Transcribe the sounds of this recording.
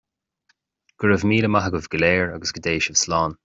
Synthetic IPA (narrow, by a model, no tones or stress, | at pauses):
ɡ̥əɹəvmiːləmaɦəɡəvɡəlɛːɹaɡəsɡ̥əd̪eːʃəv̥slɑːn